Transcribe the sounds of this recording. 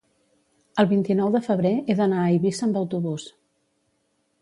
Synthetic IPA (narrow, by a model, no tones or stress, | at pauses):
əlˠβint̪inɔwðəfəβ̞ɾeeðənaiβisəmbəwt̪uβus